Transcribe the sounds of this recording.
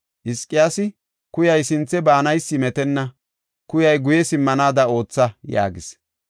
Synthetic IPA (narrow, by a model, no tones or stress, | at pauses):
ʔɪskʼːɪjaːsɪ | kʊjɐjsɪnt͡sːɛbaːnɐjsːɪmɛt̪ɛnːɐ | kʊjɐjɡʊjɛsɪmːɐnaːd̪ɐo̞ːt͡sːɐja̰ːɡɪs